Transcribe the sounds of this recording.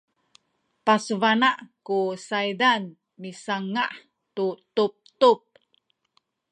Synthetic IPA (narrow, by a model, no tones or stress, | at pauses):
pasəvanaʔkusajdan | misaŋaʔ | tutup̚t̪up̚